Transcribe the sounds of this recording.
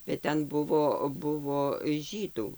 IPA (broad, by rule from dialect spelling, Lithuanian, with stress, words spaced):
bʲɛt ˈtʲɛn ˈbʊʋoː ˈbʊʋoː ˈʒʲiːduː